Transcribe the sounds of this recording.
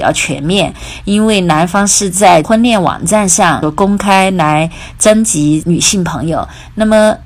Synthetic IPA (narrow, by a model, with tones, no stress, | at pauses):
jɑ̰˥˩ʊt͡ɕʰɥɛ̰˧˥nmjɛ˥˩n | i˥nwe˥˩ɪna˧˥nfɑ˥ŋʂɻ̩˥˧t͡sa˥˩ɪxwə˥˧nljɛ˥˩nwɑ̰˨˩ŋʈ͡ʂa˥˧nʂɑ˥˩ŋ˥kʊ˥ŋkʰa˥ɪla˧˥ɪ | ʈ͡ʂə˥ŋt͡ɕi˧˥ny˨˩ɕi˥˩ŋpʰɤ̰˧˥ŋjo˨˩ʊ | na˥˩mə˩